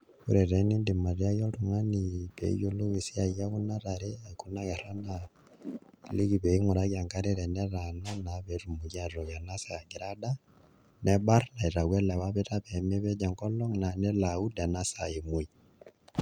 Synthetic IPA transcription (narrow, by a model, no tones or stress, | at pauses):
ṵɾɛɾenindimariajoɾuŋaniβḛjuluβisiajaɣunaɾaɾɛikunaɣerana | liɡiβeiŋuɾaɣaŋkaɾiɾɛnɛɾananaβerumuɣjaroɣanasaɡiɾada | nebaɾnaiɾaɣweleβaβɛtaβemiβɛɟaŋkoloŋnanelaudanasaimui